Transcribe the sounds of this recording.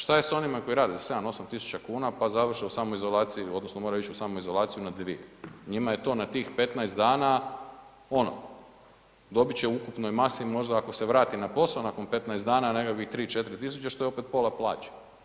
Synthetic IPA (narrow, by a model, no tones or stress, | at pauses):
ʃt̪aje̞sao̞nimako̞jiɾaːd̪ise̞d̪ano̞samt̪isu̥t͡ʃt͡ɕakuːnapazaʋr̩ʃeusaːmoizo̞lˠaːt̪sijio̞d̪nosno̞moɾait͡ʃusaːmoizo̞lˠaːt̪sijunad̪ʋieɲimaje̞t̪o̞ːnat̪iːxpe̞t̪naest̪d̪aːna | o̞no̰ | d̪o̞bit͡ɕeukupno̞jmasimo̞ʒd̪aːko̞seʋɾaːt̪inapo̞saonako̞npe̞t̪naesd̪aːnanekakʋixt̪ɾiːt͡ʃe̞t̪ɾit̪isut͡ʃaʃt̪oeo̞pe̞t̪̚po̞lˠaplˠa̰ːt͡ɕḁ